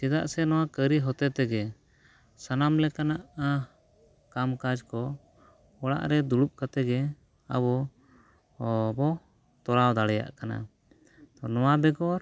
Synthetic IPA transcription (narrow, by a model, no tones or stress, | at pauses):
sɛd̪aʔsɛnɔwakəɾiɦɔt̪ɛt̪ɛɡɛ | sanamlɛkanaʔa | kamkad͡ʒkɔ | ɔɽa̰ʔɾɛd̪uɽup̚kat̪ɛɡɛ | a̰bɔ | bɔ | t̪ɔlawd̪aɽɛja̰ʔkana̰ | t̪ɔnɔwabɛɡɔɾ